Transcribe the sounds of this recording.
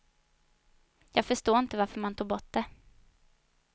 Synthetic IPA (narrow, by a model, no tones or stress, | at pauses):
jɑːɡfœʂtoːɪnt̪əvaɾfœɾmant̪ʰuːɡbɔʈ̚d̪ɛ